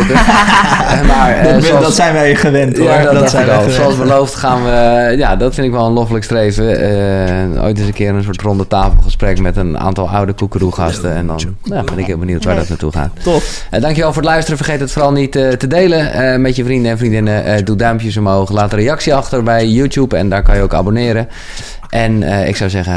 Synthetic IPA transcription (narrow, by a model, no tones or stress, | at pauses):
maɹsdɔsɛjnʋɛχəʋɛntjaɛsoɑlˠsbəlowftχaːnʋəjadɔtfɪndɪkʋɛlˠənlofələkstrejvə | o̰jtɪs̬ənkɪːəɾənsoətrɔndətaːfəl̩ˠχəsprɛkmɛtəna̰ːntɔlˠa̰wdəkukəruχɑ̰stəɛ̰ndɔ̰nabɪnɪkʋɪːlˠbənuwtʋaːdɔtnatṵχa̰ːt | dɑŋkjəʋɛlˠfʊːɹdəlœɥstərəfərχejtɦətforɑlˠnitətədejləəmɛtjəfrindəɛnfrindɪnədudœmpjəsomoːχəlaːtrejɑksiɑxtərbɛjjuːtjupɛndaːɹkɑnjəowka̰bonɪːɾə | ʔɛnəɪ̰ksawzɛɣə